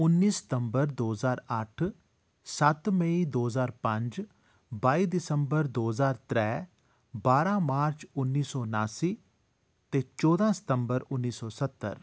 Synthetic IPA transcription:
ʊnːiːsə̥t̪əmbəɾd̪oːzaːɾəʈʰ | sət̪məiːd̪oːzaːɾpə̃ɲd͡ʒ | baːiːd̪ɪsəmbəɾd̪oːzaːɾt̪ɾɛː | baːɾãːmaːɾt͡ʃʊnːiːsɔːnaːsiː | t̪eːt͡ʃɔːd̪ãːsə̥t̪əmbəɾʊnːiːsɔːsət̪ːə̰ɾ

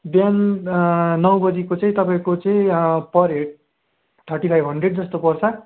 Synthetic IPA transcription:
bjan | nʌw̃bʌd͡zikot͡saĩt̪ʌpaĩkot͡sʌĩpʌɾeʈ̚ | t̪ʰʌrʈipʰajbɦʌɳɖreɖd͡zʌst̪opʌrt͡sʰʌ

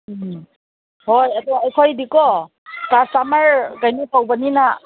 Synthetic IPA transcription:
hɔjadɔwaajkʰɔjdikɔ | kasamaɹɡajnipawbanina

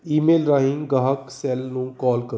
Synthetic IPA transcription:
iːmeːlɾaːɦĩŋɡaɦəksɛlnũkɔːlkə

